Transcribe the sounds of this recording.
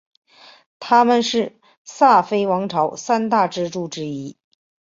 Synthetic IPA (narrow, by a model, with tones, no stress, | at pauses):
t̪ʰa˥mə˨nʂɻ̩˥˧ | sa˥˩fe˥ɪwɑ˧˥ŋʈ͡ʂʰɑ˧˥ʊsa˥nt̪a˥˧ʈ͡ʂɻ̩˥˧ʈ͡ʂu˥˩ʈ͡ʂɻ̩˥i˥